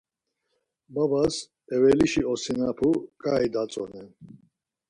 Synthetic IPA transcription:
babas | ɛvɛliʃiɔsinapʰukʼaid̪at͡sʼɔ̰nɛn

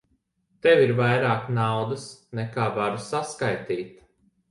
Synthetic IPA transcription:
t̪ɛvʲiɾvajɾaːknawd̪asnɛkaːvaɾusaskajt̪iːt̪

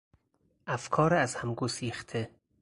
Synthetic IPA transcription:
ʔæfkʰɒːɾæzhæmɡosiːxt̪ʰe

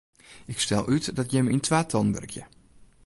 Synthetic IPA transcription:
ɪkstɛlˠʔytdɔtjɛməintʰʋaːtʰɔnbø̰rkʰjə̰

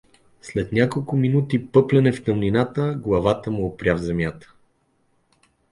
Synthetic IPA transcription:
slɛt̪nʲakolˠkʊminut̪ipɤplɛnɛft̪əmninat̪əɡlˠɐvat̪əmuopɾʲavzɛmjat̪ə̥

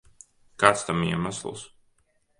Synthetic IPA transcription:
kaːt̪st̪amiɛmaslˠs

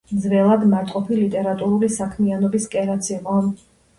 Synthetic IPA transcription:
zvɛlˠad̪maɾt̪ʼqʼɔpʰilit̪ʼɛɾat̪ʼuɾulisakʰmianɔbiskʼɛɾat̪sʰiqʼɔ

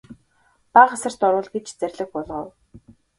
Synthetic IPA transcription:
paʁasə̆r̥t̪ɔɾʊːɮɡet͡ɕt͡særʲɮɘ̆xpʊɮʁə̆w

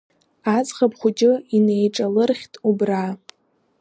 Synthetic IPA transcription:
at͡sχapχʷud͡ʒʼɪinejʈ͡ʂʼalɨrχʲtʼubra

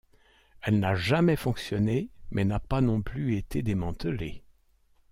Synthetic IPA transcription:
ɛlnaʒamɛfɔ̃ksjɔnemɛnapanɔ̃plyet̪ʰed̪emɑ̃t̪əle

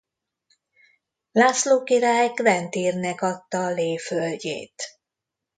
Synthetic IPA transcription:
laːsloːkiɾaːjkvɛnt̪iːrnɛkɒt̪ːɒleːfølɟḛːt̪

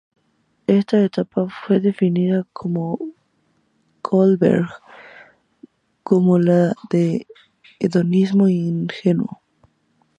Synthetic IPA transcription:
e̞st̪aet̪apafwe̞ðe̞finiðakʰomo | kolbḛɾɣ | komolaðe | eðonizmoiŋxenuo̰

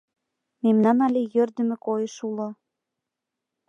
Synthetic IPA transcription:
memnɑnɑlʲejørd̪ə̆mĕkojeʃulŏ

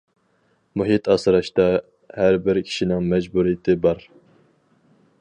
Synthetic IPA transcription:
muɦit̪ʰɑsɨɾɑʃt̪ɑ | hæɾbɪɾkʲʰi̥ʃinɪŋmɛd͡ʒbuɾijɪt̪ʰɪbɑɾ

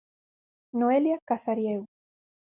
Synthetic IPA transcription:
noeljakasaɾjeɣ

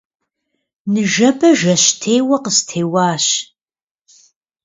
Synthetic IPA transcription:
nɨʒɐbɐʒɐɕtʰeːwɐqəstʰeːwɑːɕ

